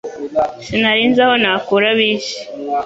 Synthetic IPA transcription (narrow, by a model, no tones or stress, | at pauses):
sinaɾiːnzaho̞naːkuːɾaβiːʃi̥